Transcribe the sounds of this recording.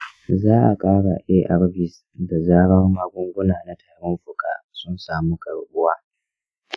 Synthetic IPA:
zaː˦ʔa˨kʼaː˦ɽa̰˨ʔeː˦ʔa˨ɾbɪ˨s | da˨zaː˦ɽɐ˦mːaː˦ɡʷʊ˦ŋɡʷʊ˦naː˨na˦tʰaː˨ɽɔ˦mɸʊ˨ka̰ː˦˨sʊ˦nsaː˨mu˦kʼɐ˨ɽʔʊ˦waː˦

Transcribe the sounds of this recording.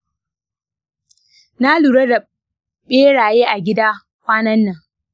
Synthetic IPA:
na˦luː˨ɽɐ˦da˨ | ɓeː˦ɽaː˨jeː˦ʔa˨ɡʲɪ˦daː˦ | kʷaː˦nɐ˦nːɐ˨ŋ

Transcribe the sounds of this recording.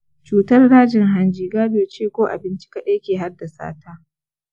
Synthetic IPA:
t͡ʃuː˨tɐ˦rɽaː˦d͡ʒɪ˨ŋɦa˦nd͡ʒiː˦ɡaː˦doː˨t͡ʃeː˦kʷoː˦ʔa̰˨bɪ˦nt͡ʃɪ̥˦ka˦ɗa˦jkʲeː˨ɦa˦rda˨sa̰ː˦taː˦

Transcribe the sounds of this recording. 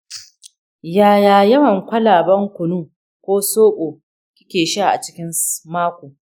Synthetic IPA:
jaː˨jaː˨jɐ˦mɐ˨ŋkʷɐ˦laː˨bɐ˦ŋkʷʊ˨nuː˦ | kʷoː˦soː˦kʼoː˨ | kʲɪ˦kʲeː˨ʃa˦˨ʔa̰˨t͡ʃɪ̥˦kʲɪ˦nmaː˦kʷoː˨

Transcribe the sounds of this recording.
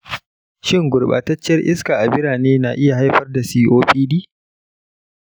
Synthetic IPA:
ʃɪ˦ŋɡʷʊ˨ɽɓa̰ː˨tɐ˦t͡ʃːɐ˦rʔɪ˦skaː˨ʔa˨bɪ˦ɾaː˨neː˦na˨ʔɪ˦ja˨ha˦jɸɐ˦rda˨siː˦ʔoː˦ɸiː˦diː˦

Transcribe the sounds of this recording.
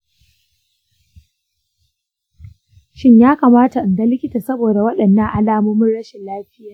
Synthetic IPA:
ʃɪ˦ɲjaː˦kaː˨maː˦ta˨ʔnɡa˦lɪ˦kʲɪ˦taː˨sɐ˦boː˨da˨wɐ˦ɗɐ˨nːɐ˦ŋʔa˨laː˨mʊ˦mʊ˦nɽɐ˦ʃɪ˨laː˦ɸɪ˦jaː˨

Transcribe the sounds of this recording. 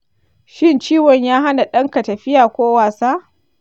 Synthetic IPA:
ʃɪ˦nt͡ʃiː˦wɔ˨ɲjaː˦ɦa˦na˨ɗɐ˦ŋka˨tɐ˨ɸɪ˦jaː˨kʷoː˦waː˨saː˦

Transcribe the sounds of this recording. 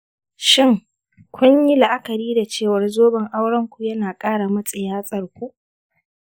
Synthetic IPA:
ʃɪ˦ŋ | kʷʰʊ˦ɲji˦la˨ʔa˦kɐ˨ɾiː˦da˨t͡ʃeː˦˨wɐ˦rzoː˦bɐ˨ŋʔa˦wɽɐ˦ŋkʷu˨jɐ˦naː˨kʼaː˦ɽa˨mɐ˦sʼɐ˨jaː˦sʼɐ˨rkʷu˦ʔ

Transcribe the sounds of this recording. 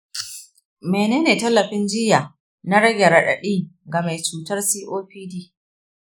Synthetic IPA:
meː˨neː˦neː˨tɐ˦lːɐ˨ɸɪ˦nd͡ʒɪ˦ja˨ | na˦ɽɐ˦ɡʲe˨ɽɐ˨ɗɐ̰˨ɗiː˦ɡa˨ma˨jt͡ʃuː˨tɐ˦rsiː˦ʔoː˦ɸiː˦diː˦

